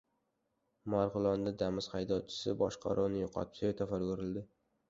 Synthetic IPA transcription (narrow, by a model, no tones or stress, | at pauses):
maɾʁɨlˠɒnd̪ad̪amɪz̥χajd̪ɒt͡ʃʰɪ̥sɪbɒ̰ʃqʰɑ̰ɾunɪjʊqʰɒ̰t̪̚ʰsojt̪ʰafaɾɡoɾɪld̪ɪ